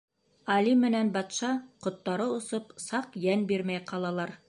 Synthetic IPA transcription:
ɑlimɘ̆nænbɑt̪ʃɑqŏt̪ːɑɾɤŏsɤpsɑqjænbiɾmæjqɑlˠɑlˠɑɾ

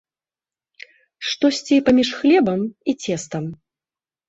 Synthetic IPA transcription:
ʂt̪ɔsʲt͡sʲipamʲiʂxlʲɛbɐmit͡sʲɛst̪ɐm

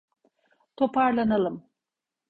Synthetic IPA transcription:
t̪ʰo̞pʰaɾlˠanalˠɯm

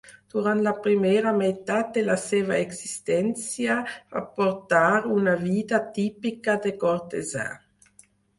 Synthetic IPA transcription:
d̪̥uʁant̪lapɾimɛːʁamet̪ad̪elasɛvaɛɡsist̪ɛnt͡sjava̰pɔɾt̪aɾunaviːd̪at̪ipikad̪ekɔɾt̪ezã̰

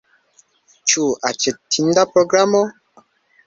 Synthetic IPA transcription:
t͡ʃuat͡ʃɛtʰːindapɾoɡɾamɔ

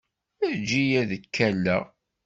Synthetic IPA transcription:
əd͡ʒijæðəkʰːælːæ

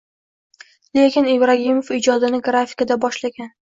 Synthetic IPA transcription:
lekʲɪnivɾaɦimofɪd͡ʒɒd̪ɪnɪɡɾafɪ̥kad̪abɒʃlaɡʲan

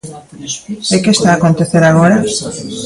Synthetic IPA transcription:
ekest̪aːkont̪eθeɾaɣ̞oɾa

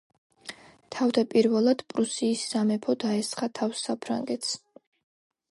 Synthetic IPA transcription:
t̪ʰavd̪apʼiɾvɛlˠad̪̥pʼɾusiːsːamɛpʰɔd̪aɛsχat̪ʰafsːapʰɾa̰ŋɡɛt̪ʰs

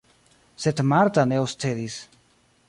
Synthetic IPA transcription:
set̪maɾt̪aneost̪eðis

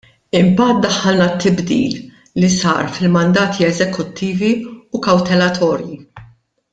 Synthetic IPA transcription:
ɪmbɐːt̪̚d̪ɐħːɐlnɐt̪ːɪbd̪ḭːlː | isɐ̰ːɾfɪlmɐnd̪ɐːt̪ʰiɛzɛkʊt̪ʰːiːviukɐwt̪ɛlɐt̪ʰɔːɾji

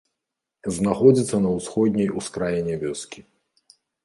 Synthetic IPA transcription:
znaxɔd͡zʲit̪sːɐnɐwsxɔd̪̚ʲnʲɛjuskɾajɛnʲɛvʲɔskʲi

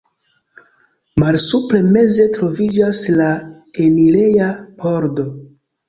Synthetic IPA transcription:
malsupɾe̞me̞ze̞tɾo̞vid͡ʒasla | enile̞jabo̞ɾdo̞

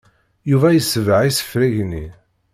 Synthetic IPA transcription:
juvæjəsːəvʕisə̥fɾiʝni

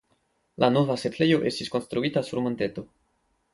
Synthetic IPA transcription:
lano̞vasetle̞jo̞ʔe̞stisko̞nst̪ɾuitasuɾmont̪e̞t̪o̞

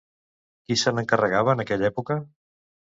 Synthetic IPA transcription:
kisənəŋkərəɣaβəːnəkɛʎɛpukə

